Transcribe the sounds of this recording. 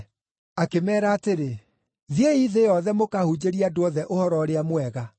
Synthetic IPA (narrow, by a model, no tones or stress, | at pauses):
akemɛːɾaːteɾe | ðieiðejɔðɛmokahud͡ʑeɾiadoɔðɛʔohɔɾɔɾeamwɛɣa